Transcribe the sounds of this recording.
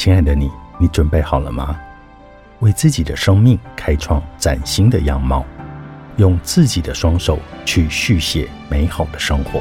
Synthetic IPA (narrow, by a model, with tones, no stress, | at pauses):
t͡ɕʰi˥ŋa˥˩ɪd̪ə˧ni˨˩˦ni˧˥ʈ͡ʂwə˨˩npe˥˩ɪxɑ˨˩ʊlə̰˦ma˧˥ | we˥˧ɪt͡sɹ̩˥˩t͡ɕi˨˩d̪ə˦ʂɤ˥ŋmi˥˩ŋkʰa˥ɪʈ͡ʂʰwɑ˥˩ŋt͡sa̰˨˩nɕi˥ŋd̪ə̰˨jɑ˥˩ŋmɑ˥ʊjʊ˥˧ŋt͡sɹ̩˥˩t͡ɕi˨˩d̪ə˦ʂwɑ˥ŋʂo˨˩ʊt͡ɕʰy˥˧ɕy˥˩ɕjɛ˨˩ | me˧˥ɪxɑ˨˩ʊd̪ə˦ʂɤ˥ŋxwɔ̰˧˥˦